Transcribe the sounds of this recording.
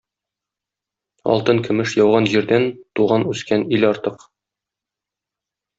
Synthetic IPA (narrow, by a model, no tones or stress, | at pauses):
ɒ̰lˠt̪ɤŋkɵ̆mɘʃjɒwʁɑnʑiɾd̪ænt̪uʁɑnʉskænilɒɾt̪ɤq